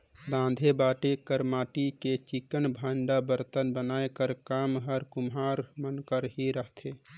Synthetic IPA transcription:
bãnd̪ʱebaːʈekəɾmaːʈiket͡ʃikənbʱəɳɖabəɾt̪ənbənaːekəɾkaːmɦəɾkumɦaːɾmənkəɾɦiɾəɦt̪ʰe

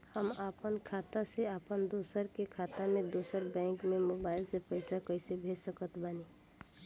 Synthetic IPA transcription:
həmapənkʰat̪aseapənd̪osəɾkekʰat̪amed̪osəɾbɛ̃ŋkmemobaɪlsepəɪsakəɪsebʱed͡ʒsəkət̪ʰbaːni

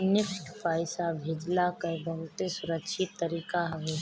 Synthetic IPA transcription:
nɪksʈpaːɪsabʱeːd͡ʒlakəbɐɦʊt̪esʊɾəkʃʰɪt̪ːəɾiːkaɦɐʋe

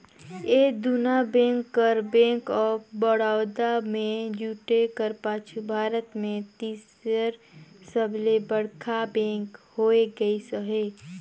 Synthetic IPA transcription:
eːd̪unabẽːkːəɾbẽːŋkɔːbəɽaːʊd̪amẽd͡ʒuːʈekəɾpaːt͡ʃʰubʱaːɾət̪mẽt̪iːs | əɾsəblebəɽkʰabẽːkhoːeɡəisəɦeː

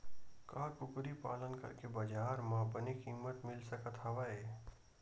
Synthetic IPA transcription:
kaːkʊkɾipaːlənkɐ̰ɾkebɐd͡ʒaːɾmãːbənikiːmət̪mɪlsɐkət̪ɦɐʋaeː

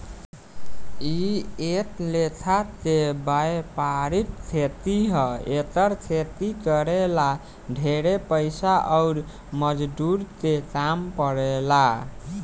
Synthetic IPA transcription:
iet̪let̪ʰat̪ebajpaɾit̪̚t͡ʃʰet̪iɦəet̪əɾt͡ʃʰet̪ikəɾela | ɖʱeɾepəjsaʔɔʊɾ | məd͡ʒd̪uɾt̪ekampəɾela

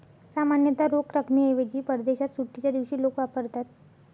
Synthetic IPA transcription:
samanjət̪aɾokɾəkʰmiejʋed͡ʑiːpəɾd̪eɕat̪suʈːit͡ɕad̪iʋɕiːlokʋapəɾt̪at̪̚

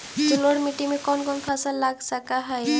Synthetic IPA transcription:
d͡ʒuloɽmiʈimekɔnkɔnpʰasalːaɡsakaɦaj

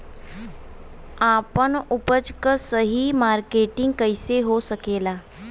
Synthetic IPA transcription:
apəɳupət͡ʃkəsəɦimaɾkeʈiŋɡkəjseɦosəkela

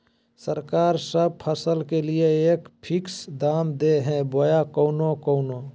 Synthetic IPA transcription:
səɾkaːɾsəb̚pʰəsəlkelieeːkpʰɪksd̪aːmd̪eɦɛ̃bojakoːnokoːnoː

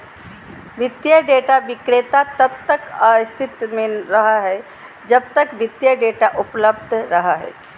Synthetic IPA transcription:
ʋɪd̪jəɖeːʈaʋɪkɽet̪at̪ɐb̚t̪əkast̪ʰɪt̪mẽɾɐɦaɦɛ | d͡ʒɐb̚t̪əkʋɪd̪jəɖeʈaʔupləbd̪ʱɾəɦaɦɛ̰ː

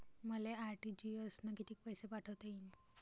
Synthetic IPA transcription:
məleaɾʈid͡ʑiəsnakit̪ʰiːk̚pəjsepaʈʰəʋt̪ein

